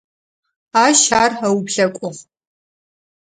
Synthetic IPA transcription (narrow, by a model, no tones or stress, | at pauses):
aːʃaːrɐwpɬɐkʷʼʊʁ